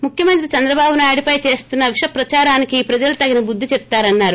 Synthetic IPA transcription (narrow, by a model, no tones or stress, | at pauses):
mukʰjɐmɐnt̪ɾit͡ʃɐnd̪ɾɐbaːbunaːjɽipɐjt͡ʃe̞ːst̪unːɐʋiʂɐpɾɐt͡ʃaːɾaːnikiːpɾɐd͡ʒɐlut̪ɐɡinɐbud̪ʱːit͡ʃep̚t̪aːɾɐnːaːɾu